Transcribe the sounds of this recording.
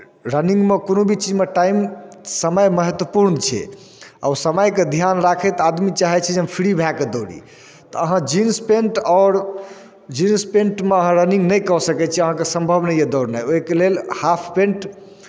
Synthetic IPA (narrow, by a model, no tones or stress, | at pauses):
ɾənĩŋɡmekonobʱit͡ʃid͡ʒmeʈaimsəməjməɦət̪wəpuɾnt͡ʃʰɛ̰ | a̰wsəməjked̪ʱijanɾakʰɛt̪ad̪mit͡ʃaɦɛt͡ʃʰɛd͡ʒeɦəmpʰiɾibʱaked̪oɽḭ | t̪ɔəɦãd͡ʒinspeɳʈɔʊɾ | d͡ʒinspẽɳʈmeəɦãɾənĩŋɡnəjkɔsəkɛt͡ʃʰiəɦãkesə̃mbʱəbnəjed̪ɔɾnajoɦkelelhapʰpẽɳʈ